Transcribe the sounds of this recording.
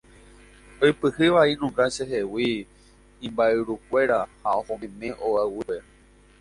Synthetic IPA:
ojpɨhɨʋainũŋɡaʃeɦewĩː | mbaeɾukʷe̞ɾahaohõmẽmẽ̞ʔoawipe

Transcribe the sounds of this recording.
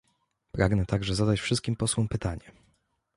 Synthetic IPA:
pɾaɡnɛt̪aɡʐɛzad̪at͡ɕfʂɘst̪kʲimpɔswɔmpɘt̪aɲɛ

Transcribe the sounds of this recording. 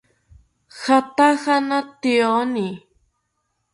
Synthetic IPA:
xat̪axanat̪ioni

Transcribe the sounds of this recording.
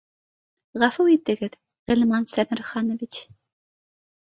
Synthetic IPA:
ʁɑfuwit̪ːɘ̆ɡɘð | ʁɘlʲmɑnsæmɘ̆ɾχɑnŏvʲit͡ɕ

